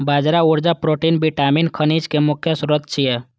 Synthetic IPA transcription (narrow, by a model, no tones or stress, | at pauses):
baːd͡ʒɾauɾd͡ʒapɾoʈinbiʈaːminkʰənid͡ʒkemʊkʰjəsuɾət̪̚t͡ʃʰijɛ